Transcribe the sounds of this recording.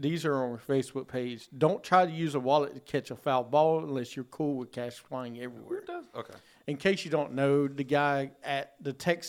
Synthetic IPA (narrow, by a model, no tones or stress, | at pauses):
ðizə˞ə̃nəfeɪsb̥ʊk̚pʰeɪdd͡ʒdõʊ̃ntʰɹ̥aɪɾɨjʉzəwɑlˠətʰɨkʰɛt͡ʃəfalˠbɔlˠə̃nlɛsjə˞kʰulˠwɨð̥kʰæʃfʰl̥ãɪɪ̃ŋɛvɹḭwɛ̰ɹd̥okʰḛɪ | ɨ̃nkʰeɪsjɨdõʊ̃nːoʊðɨɡaɪɨt̪̚ðɨtʰɛks